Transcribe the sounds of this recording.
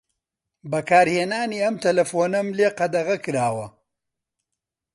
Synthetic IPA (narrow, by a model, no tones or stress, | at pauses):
bɐkaːɾheːnaːniːɐmt̪ʰɐlɐfoːnɐmleːqɐd̪ɐʁɐkɨɾaːwɐ